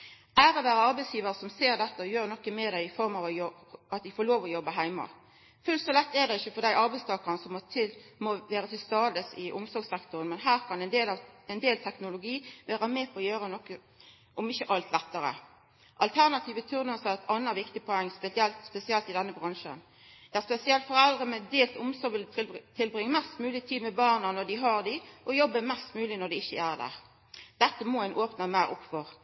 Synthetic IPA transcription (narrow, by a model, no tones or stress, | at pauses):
æːɾɔʋæːɾəɑɾbæɪsjiːʋəʁəsɔmseːɾd̪ɛt̪ːəɔjøːʁnɔkːəmɛd̪æɪɪfɔɾmɑʋɔjɔ | ɑt̪ʋɪfɔɾɭoːʋɔjɔbəɦæɪmɑ̰ | fʉlt̪sɔlɛt̪ːɛd̪ɛɪçːəfɔd̪æɪʔɑɾbæɪst̪ʰɑːkəʁnəsɔmɔt̪ʰɪlmɔʋæːɾət̪ɪlst̪ɑːd̪əsɪ̰ʔʊmsɔɾɡsɛkt̪ʊʁənmɛnɦæːʁkʰɑnɛnd̪eːlɑɛɪnd̪eːlt̪ʰɛknʊlʊɡiːʋæːʁəmɛːpʰɔːjøːɾənɔkːə | ʔɔmɪçːəʔɑlt̪lɛt̪ːəɾə̰ | ʔɑlt̪ʰæʁnɑt̪ʰiːʋət̪ʰʉʁnəsɛt̪ʰɑnːəʋɪkt̪ɪpʰɔɛŋːspɛsɪɛlt̪spɛsɪɛlt̪ɪd̪ɛnːəbʁɑŋʃə̰n | d̪̥ɛæspɛsɪɛlt̪fɔʁɛld̪ʁəmɛt̪d̪eːlt̪ʊmsɔɾʋɪlt̪ʰɪlbʁɪŋːəmɛst̪mʉːlɪt̪ʰiːd̪mɛbɑːʁnɑnɔd̪ɪɦɑʁd̪ɪʔɔjɔbːəmɛst̪mʉːlɪnɔd̪ɛɪçːəæːʁd̪æ̰ːʁ | d̪̥ɛt̪ːəmɔːænʔoːpnɑmæːɾʊ̰pːfɔʁ